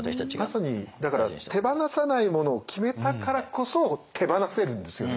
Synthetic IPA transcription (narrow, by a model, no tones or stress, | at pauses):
masaɲ̟id̪akaɾat̪ʰe̞banasanaimo̞no̞ːkʲʰime̞t̪akaɾako̞so̞t̪ʰe̞banase̞ɾɯ̟̃nd̪e̞sɨjo